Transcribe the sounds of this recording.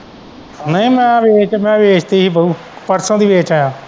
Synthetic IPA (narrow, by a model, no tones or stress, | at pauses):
nəĩːmɛ̃ːʋeːt͡ʃmɛ̃ːʋeːt͡ʃʰt̪iːɦiːbəuː | pəɾsõːd̪iːʋeːt͡ʃaːjãː